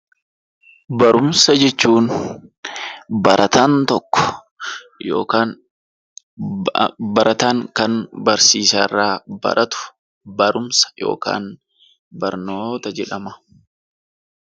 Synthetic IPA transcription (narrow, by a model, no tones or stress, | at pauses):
bɐɾʊmsɐd͡ʒɛt͡ʃːuːn | bɐɾʔɐt̪aːnt̪ɔkːɔ̥ | jo̰ːkaːn | bɐɾʔɐt̪aːŋkɐnbɐɾsiːsaːrːaːbɐ̰ɾɐt̪ʊ̥ | bɐɾʊmsɐ̥jo̞̰ːka̰ːn | bɐɾnoːt̪ɐd͡ʒɛᶑɐmɐ̥